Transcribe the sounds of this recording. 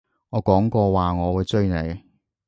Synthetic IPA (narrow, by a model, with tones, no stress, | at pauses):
ŋɔː˨˧kɔː˨˥ŋkɔː˧waː˨ŋɔː˨˧wu˨˧jt͡sɵ˥ne˨˧j